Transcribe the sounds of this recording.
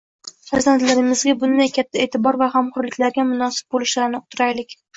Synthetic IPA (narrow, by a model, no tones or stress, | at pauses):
faɾzant̪laɾɪmɪzɡʲabʊnd̪ajkʲʰat̪ʰːaeːt̪ʰɪbɒɾvahamqʰɒɾlɪkʲlaɾɡʲamʊnɒsɪ̥p̚bolɪʃlaɾnɪʊt̪ʰʊɾajlɪkʲ